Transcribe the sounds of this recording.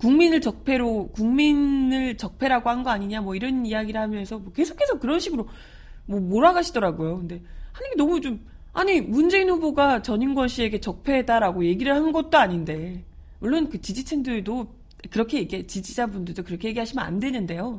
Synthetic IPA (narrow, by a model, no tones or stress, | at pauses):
kuŋminɯɭt͡ɕʌk̚pʰe̞ɾokuŋminɯɭt͡ɕʌk̚pʰe̞ɾaɡohanɡʌaɲiɲamwʌiɾʌniaɡiɾɯɭhamjʌnsʰʌmwʌke̞sʰo̥kʰe̞sʰʌkɯɾʌnɕʰiɡɯɾo | mwʌmoɾaɡaɕʰidʌɾaɡojokɯnde̞hanɯɡe̞nʌmut͡ɕom | a̰ɲimund͡ʑe̞inhubuɡat͡ɕʌɲinɡwʌnɕʰie̞ɡe̞t͡ɕʌk̚pʰe̞daɾaɡoje̞ɡiɾɯɭhanɡʌt̚t͈oaɲinde̞ | muɭːonkɯt͡ɕid͡ʑit͡ɕʰeŋdɯɭdo | kɯɾʌkʰe̞je̞ɡiɦet͡ɕid͡ʑid͡ʑabundɯɭdokɯɾʌkʰe̞je̞ɡiɦaɕʰimʌna̰ndwe̞nɯnde̞jo